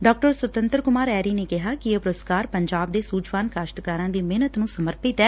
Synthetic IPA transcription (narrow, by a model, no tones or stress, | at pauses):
ɖɔːk̚ʈəɾswət̪ənt̪ɾkʊmaːɾɛːɾiːneːkɪɦaːkɪeːpɾʊskaːɾpəɲd͡ʒaːbd̪eːsuːt͡ʃʋaːnkaːʃʈkaːɾãːd̪iːmeːnət̪nũːsəməɾpɪt̪ɛː